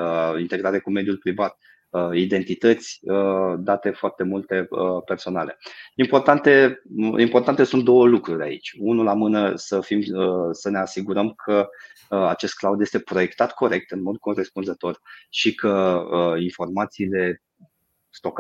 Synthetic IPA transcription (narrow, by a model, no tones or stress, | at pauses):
int̪e̞ɡɾaɾekume̞d̪julpɾivat̪̚ | əid̪e̞nt̪it̪ət̪sʲəd̪at̪e̞foart̪e̞mult̪e̞əpe̞rso̞nale̞impo̞rt̪ant̪e̞impo̞rt̪ant̪e̞sunt̪̚d̪o̞wəlukɾuɾʲa̰ḭt͡ʃʲunulamɨnəsəfiməsəne̞asiɡuɾəmkʰə | at͡ʃe̞st̪̚klawd̪jest̪e̞pɾo̞je̞kt̪at̪kʰo̞ɾe̞k̚t̪ɨnmo̞d̪̚kʰo̞respunzət̪o̞rʃikəəinfo̞rmat̪siːle̞ | st̪o̞k